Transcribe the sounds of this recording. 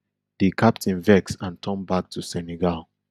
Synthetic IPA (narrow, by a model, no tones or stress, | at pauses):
dikʰap̚tʰĩnvɛksãntʰɔ̃nbak̚tʰusɛnɛɡalˠ